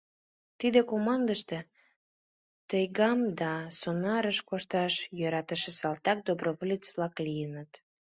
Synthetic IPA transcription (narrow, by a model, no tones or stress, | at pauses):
t̪id̪ekomɑnd̪əʃt̪e | t̪əjɣɑmd̪ɑsonɑɾəʃkoʃt̪ɑʃjøɾɑt̪əʃĕsɑlt̪ɑk̚d̪obroβolʲit͡sβlɑklijənət̪